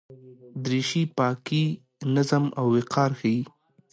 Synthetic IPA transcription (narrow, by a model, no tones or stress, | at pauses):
d̪ɾiʃipɑki | nazama̰wːɪqʰɑɾxaji